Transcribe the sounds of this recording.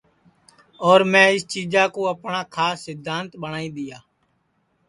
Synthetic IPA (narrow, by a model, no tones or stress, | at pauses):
ɔːɾmɛ̃ːɪst͡ʃiːd͡ʒaːkoːəpɳaːkʰaːsːɪd̪ʱːaːnt̪ɓəɳaːiːd̪ɪjaː